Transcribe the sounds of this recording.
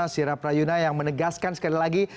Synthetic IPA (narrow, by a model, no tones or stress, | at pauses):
asiɾapɾajunajaŋmənəɡaskansə̥kalilaɡi